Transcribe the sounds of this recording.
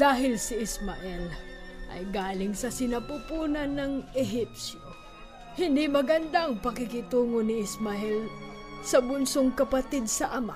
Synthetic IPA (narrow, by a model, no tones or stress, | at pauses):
d̪aːɦɪlsɪʔɪsmaʔɛlʔɐ̰jɡaːlɪŋsɐsɪnɐpupuːnɐnːɐŋɛɦip̚sjo | hɪnd̪imɐɡɐnd̪aɐŋpɐkɪkɪt̪uːŋonɪɪsmɐʔɛl | sɐbʊnsoŋkɐpɐt̪id̪̚sɐʔɐma̰